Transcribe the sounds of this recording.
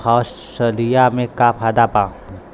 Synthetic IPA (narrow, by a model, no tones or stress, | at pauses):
ɔːs | səlijamẽkapʰaːd̪apãː